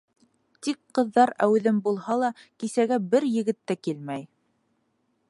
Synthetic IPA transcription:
t̪ikqɤ̆ðːɑɾæwðɘmbulˠhɑlˠɑkisæɡæbɘɾjɘ̆ɡɘ̆t̪ːækilmæj

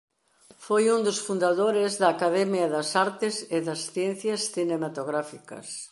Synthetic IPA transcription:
fojũnd̪ʊsfund̪aðoɾezðɐːkaðɛmjɐðɐsaɾt̪ɪsɪðɐsθjɛn̟θjɐsθinemat̪oɣɾafikɐ̰s

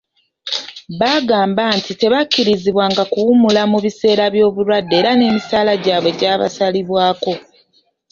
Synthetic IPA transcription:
βaɡaːmbantite̞βacːiɾiziβwaːŋɡakuwumulamuβise̞ːɾaβjo̞ːβuɾwadːe̞ːɾane̞ːmisaːlaɟaːβwe̞ɟaːβa̰saliβwaːko̞

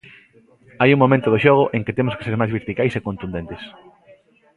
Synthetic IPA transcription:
ajuŋmomẽnt̪oðoʃoɣ̞oʔeŋkɪt̪emoske̥seɾmajzβeɾt̪ikajsekõnt̪und̪ent̪es

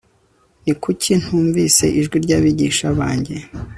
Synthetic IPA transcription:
nikʰucʰin̥huːɱvise̞̰ʔiʒɡwiɾɟaβiɟiʃaβaːɲɟe̞

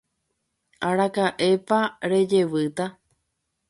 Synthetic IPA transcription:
aɾakaʔe̞paɾe̞d͡ʒe̞ʋɨt̪a

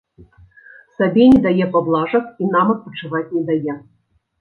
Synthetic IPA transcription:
sɐbʲenʲɛd̪ajɛpɐblˠɑʐɐxinamɐt̪̚pɐt͡ʂɨvatʲnʲɛd̪ajɛ

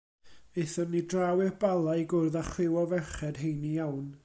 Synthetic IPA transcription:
eθɔmnidrawɪrbalˠaɨɡʊrðaχlɪwɔvɛχɛd̥ɦejnijawn

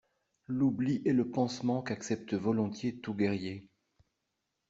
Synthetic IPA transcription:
lubliʔɛləpɑ̃smɑ̃kaksɛp̚t̪əvɔlɔ̃t̪jet̪uɡɛʁje

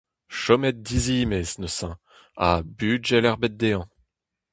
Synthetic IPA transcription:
ʃɔmɛt̪̚d̪iziːmeznəsɑ̃ | abyːʒɛlɛʁbɛt̪̚d̪eɑ̃

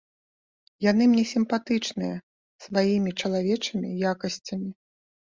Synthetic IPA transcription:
jan̪ɨmnʲɛsʲimpat̪ɨt͡ʂnɨjɐ̰ | svajimʲit͡ʂɐlˠavʲɛt͡ʂɨmʲḭjakɐsʲt͡sʲɐmʲi

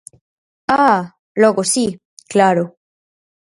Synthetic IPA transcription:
a | loɣosi | klaɾo

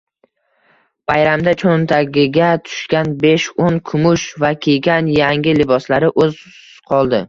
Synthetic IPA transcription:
bajɾamd̪at͡ʃʰont̪ʰaɡʲɪɡʲat̪ʰʊ̥ʃkʲanbe̞ʃonkʰʊmʊʃvakʲʰeɡʲanjaŋɡʲɪlɪbɒslaɾɪʔɵz | qʰɒlˠd̪ɪ

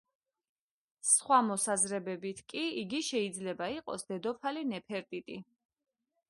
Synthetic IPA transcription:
sχwamɔsazɾɛbɛbit̪ʰkʼiiɡiʃɛid̪zlɛbaiqʼɔ̰sd̪ɛd̪ɔpʰalinɛpʰɛɾt̪ʼit̪ʼi

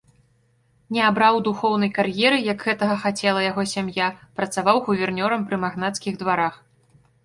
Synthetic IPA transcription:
nʲɛabɾawd̪uxɔwnɐjkarjɛɾɨjɐɡɣɛt̪ɐɣɐxat͡sʲɛlˠɐjaɣɔsʲamjapɾɐt̪savawɣuvʲɛrnʲɔɾɐmpɾɨmaɣnat̪skʲiɣd̪vaɾax

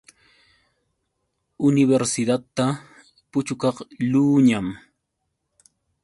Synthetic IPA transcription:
ʊnɪβeɾsɪd̪at̪ːa | pʊt͡ʃʊkɑχluːɲam

